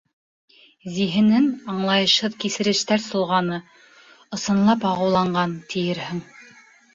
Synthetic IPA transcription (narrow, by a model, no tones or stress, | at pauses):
ziɦɘ̆nɘnɑɴlˠɑjɤ̆ʃhɤðkisɘ̆ɾɘ̆ʃt̪æɾsŏlˠʁɑnɤ | ŏsɤ̆nlˠɑpɑʁɤ̆wlˠɑɴɢɑnt̪ʰĭjɘɾhɘŋ